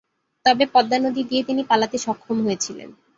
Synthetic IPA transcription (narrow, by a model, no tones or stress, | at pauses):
t̪ɔbepɔd̪ːanod̪id̪iet̪inipalat̪eʃɔkʰːomɦojet͡ɕʰilḛn